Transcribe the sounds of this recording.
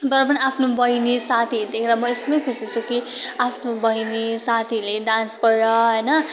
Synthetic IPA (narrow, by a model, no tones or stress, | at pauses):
bʌɾʌpʌniapʰnobʌjnesat̪ʰid̪ekʰeɾʌmʌesʌmʌjkʰusit͡sʰukiapʰnobʌinesat̪ʰileɖãnskʌɾɾʌɦʌjnʌ